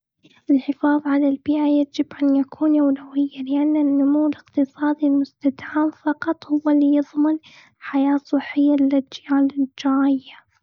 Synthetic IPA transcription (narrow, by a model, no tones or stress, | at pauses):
ʔɪlħɪfɑːðˤʕalalbɪːʔajad͡ʒɪbʔanjakʰuːnʔawlawɪjːalɪʔanːanːʊmuwːɪlɪqt̪ɨsˤɑːd̪ilmʊst̪ad̪aaːmfɑqɑt̪ˤhʊwːalːijɨðˤmɪn | ħajaːsˤɨħːɪjːalːad͡ʒjaːlɪd͡ʒaːɪjːa